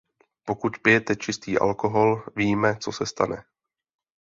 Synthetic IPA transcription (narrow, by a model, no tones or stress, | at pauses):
po̞kut̪pɪjɛt̪ɛt͡ʃɪst̪iːʔa̰lko̞ɦo̞lviːmɛt͡so̞sɛst̪a̰nɛ̰